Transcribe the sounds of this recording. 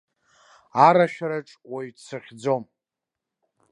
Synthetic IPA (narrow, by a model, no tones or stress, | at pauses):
aɾaʃᶣaɾaʈ͡ʂʼwajt͡sʰɨχʲd͡zo̞m